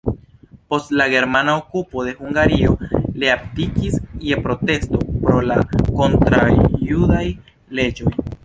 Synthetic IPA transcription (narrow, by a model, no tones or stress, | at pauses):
po̞stlaɡe̞ɾmanaokupo̞de̞huŋɡaɾio̞leaptikisjepɾo̞te̞sto̞pɾo̞lako̞ntɾajudaj | le̞d͡ʒo̞j